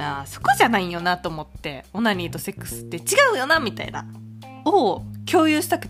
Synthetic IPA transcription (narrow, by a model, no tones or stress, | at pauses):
aso̞̥ko̞ʑanaijo̞nat̪oːmo̞t̪ːe̞o̞naɲnʲiːd̪o̞se̞kːɯ̥sɨ̥t̪ːe̞t͡ɕiɡaɯ̟jo̞namʲit̪a̰ḭna̰ | okʲo̞ːjɯ̟ːɕi̥t̪akɯ̟